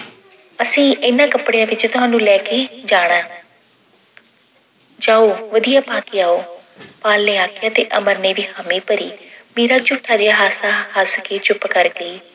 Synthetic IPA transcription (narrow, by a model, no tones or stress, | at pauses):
əsĩːɪnãːkəpɽejãːʋɪt͡ʃt̪ʊɦãːnũːlɛːkeːd͡ʒaːɽ̃ãː | d͡ʒaːoːʋəd̪ijaːpaːkeaːoː | paːlneːaːkɪjãːt̪eːʔəməɾneːʋiːhəmiːpəɾḭːmiːɾaːt͡ʃʊʈʰːaːd͡ʒeːaɦaːsaːhəskeːt͡ʃʊpkəɾɡeː